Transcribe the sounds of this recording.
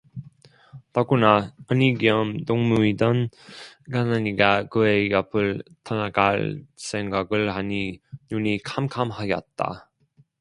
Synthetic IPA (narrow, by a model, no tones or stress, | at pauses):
taɡunaʌniɡiʌmtoŋmuidʌnkanaɲiɡakɯejʌpʰɯɭtʰʌnaɡaɭs͈eŋɡaɡɯɭhaɲinunikʰamkʰamhaɡjʌ̰t̚t͈a̰